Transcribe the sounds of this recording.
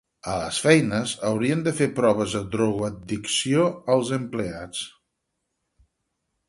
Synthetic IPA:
ələ̰sfɛjnəzəwɾiənd̪əfeɾpɾɔβəzðəd̪ɾɔɣwəd̪d̪iksioəlˠzəmpleat͡s

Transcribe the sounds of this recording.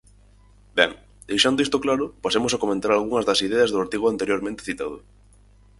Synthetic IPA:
bɛŋ | d̪ejʃand̪oist̪oklaɾʊpasemʊsakomẽnt̪aɾalɣuŋɐzðɐsiðɛɐzðʊaɾt̪iɣʊant̪eɾjoɾmẽnt̪e̥θit̪aðʊ̰

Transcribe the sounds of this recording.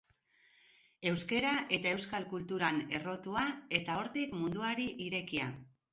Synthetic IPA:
e̞wske̞ɾaʔe̞t̪ae̞wskalkult̪uɾane̞ro̞t̪uae̞t̪ao̞ɾt̪ikmund̪uaɾiʔiɾe̞kia

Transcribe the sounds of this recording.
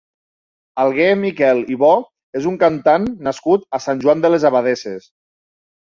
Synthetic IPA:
alˠɣemikɛliβɔ | ezuŋkant̪anːaskut̪asanʲʒuwand̪əlezaβaðeses

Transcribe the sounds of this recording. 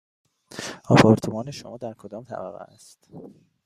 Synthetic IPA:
ɒːpʰɒːɾt̪ʰomɒːneʃomɒːd̪æɾkʰod̪ɒːmt̪ʰæ̰bæ̰ɣæ̰æst̪

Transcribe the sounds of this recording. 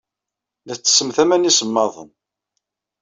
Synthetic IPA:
ðæθt͡sːsːəmθæmænisəmːɑðˤə̰n

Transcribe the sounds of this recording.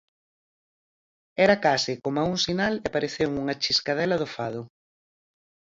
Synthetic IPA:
ɛɾɐkasɪkomauŋsinalepaɾeθewŋuŋɐt͡ʃiskað̞ɛlɐðʊfað̞ʊ

